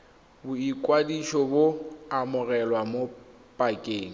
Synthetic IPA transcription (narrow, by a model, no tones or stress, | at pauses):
bʊikʼwadiʃɔboamʊrɛlwamo | pʼakʼeːŋ̩